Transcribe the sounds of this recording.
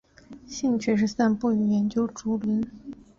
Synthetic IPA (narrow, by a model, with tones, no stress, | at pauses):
ɕi˥˧ŋt͡ɕʰy˥˩ʂ̬ɻ̩˥˧sa˥˧npu˥˩y˨˩jɛ˧˥nt͡ɕjo˥ʊʈ͡ʂu˧˥lwə˧˥n